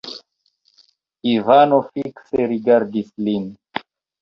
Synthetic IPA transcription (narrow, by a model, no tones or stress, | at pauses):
ivanofikseɾiɡaɾdislin